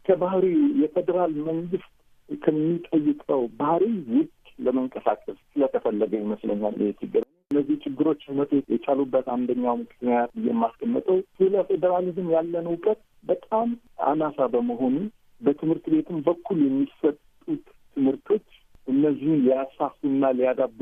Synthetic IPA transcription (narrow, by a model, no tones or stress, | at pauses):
kʰəbahɾijɛfed̪əɾalməŋɡɨst̪ | kʰəmːit̪ʼəjːɪkʼəwbahɾiwʊt̪ʼləməŋkʼəsa̰kʼəssɨlət̪ʰəfəlːəɡəɲməslə̰ɲːalʔɪ̰jɛt͡ʃ̪ʰɪɡːɨɾ | ɨnːəzːiht͡ʃʰɪɡːɨɾo̞t͡ʃːhunət̪ʰot͡ʃjɛt͡ʃʰʼalubːət̪and̪əɲːawmɨkʰɨknijat̪̚bɨjɛmːaskʰəmːət̪ʼəwsɨləfed̪əɾalizɨmjalːənəwkʼət̪̚ | bət̪ʼam | a̰nasabəməɦo̞nu | bət̪ʰɨmhɨɾt̪be̞t̪ʰɨmbəkʰːuljɛmːisət̪ʼut̪ːʰɨmhɨɾt̪ʰo̞t͡ʃːʔɨnːəzːihunlijasafunːalijad̪ab